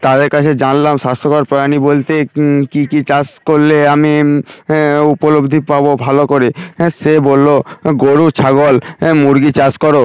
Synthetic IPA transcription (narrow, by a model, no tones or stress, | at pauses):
t̪ad̪eɾkat͡ɕʰed͡ʑanlamʃast̪ʰokaɾpɾojanibolt̪ekikit͡ɕaskoɾleami | upolobd̪ʱipabobʱalokoɾisebolːoɡoɾut͡ɕʰaɡolmuɾɡit͡ɕaskoɾo